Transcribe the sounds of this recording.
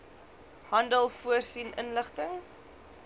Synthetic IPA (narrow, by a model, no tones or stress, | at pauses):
ɦɐndəlˠfuərsinʔə̰nləχtəŋ